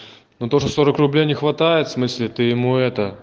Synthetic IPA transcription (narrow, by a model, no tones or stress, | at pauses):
not̪oʐəso̞ɾəkrʊblʲejnʲɪxvɐt̪ajɪt̪fsmɨsʲlʲɪt̪ɨjɪmuɛt̪ə